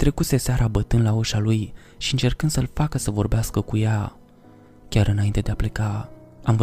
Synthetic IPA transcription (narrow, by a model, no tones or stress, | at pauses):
t̪ɾe̞kut̪se̞saɾʔabət̪ɨnd̪lauʃaluj | ʃiɨnt͡ʃe̞rkɨnsəlfakəsəvo̞rbeaskəkuja | kʲaɾɨnaint̪e̞d̪eaple̞ka | amv